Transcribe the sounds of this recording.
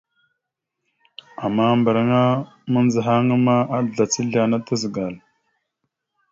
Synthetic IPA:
a˨mːa˦˨mbə˨ɾa˦ŋa˦ | mə˦n˦zə˨ɦa˦ŋə˦ma˦a˦˨ɮa˨t͡si˦ɮa˨na˦tə˦zə˨ɡa˨l

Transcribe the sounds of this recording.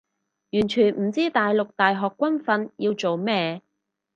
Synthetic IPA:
jyː˨˩nt͡ʃʰyː˨˩nm̩˨˩t͡siː˥t̪aː˨jlʊ˨k̚t̪aː˨jɦɔː˨kːwɐ˥nfɐ˧njiː˧wt͡so˨wmɛː˥

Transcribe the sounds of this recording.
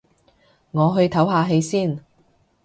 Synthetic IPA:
ŋɔː˨˧ɦɵ˧ɥt̪ʰɐ˨˥wɦaː˧ɦe˨˧jsiː˥˩n

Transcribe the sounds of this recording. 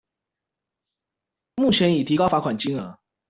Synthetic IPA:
mu˥˩t͡ɕʰjɛ˧˥ni˨˩t̪ʰi˧˥kɑ˥ʊfa˧˥kʰwa˨˩nt͡ɕi˥ŋə˨˦

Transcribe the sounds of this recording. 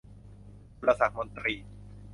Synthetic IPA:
u˧ɾa˧sa˨˩k̪̚mo˧nt̪ɾiː˧

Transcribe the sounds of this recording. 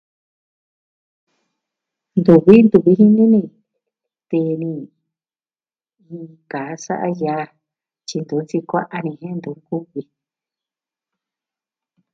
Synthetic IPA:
nd̪u˨βi˦nd̪u˧βi˧˦ɦi˦nĩ˦nĩ˧ | t̪e˧nĩ˧ | ĩ˧kaː˨˦sa̰˦ʔa̰˦jaː˧˦ | t͡ʃi˧nd̪u˨˦t͡si˧kʷa˦ʔa˧nĩ˧ɦẽ˦˧nd̪u˨˦ku˦βi˧

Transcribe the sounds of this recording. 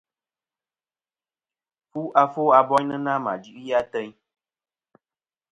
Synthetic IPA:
fu˦ʔa˦fo˦a˨bɔ˦ɲ˦nə˦na˦ma̰˨dʉ˦ʔja˦tɛ˦ɲ

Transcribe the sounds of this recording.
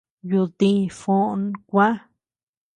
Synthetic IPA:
ju˧ðĩ˦˧fõ˦ʔnkʷa˦

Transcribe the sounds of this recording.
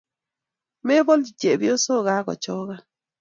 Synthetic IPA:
me˦bɔ˦ld͡ʒi˨t͡ʃe˨bi˦o˦so˦˨ɡa˦ɡɔ̰˨t͡ʃɔ˦ɣa˦

